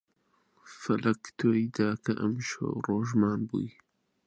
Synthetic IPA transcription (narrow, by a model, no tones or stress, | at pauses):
fɐlʔɐkt̪ʰojd̪aːkɐʔɐmʃo̰wroːʒmaːnbṵːj